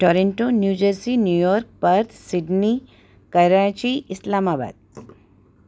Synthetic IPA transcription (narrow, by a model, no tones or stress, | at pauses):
ʈoɾeɳʈonjud͡ʒəɾsinjujɔɾk̚pəɾt̪sɪɖni | kəɾat͡ʃiʔɪslamaba̰ːd̪̥̚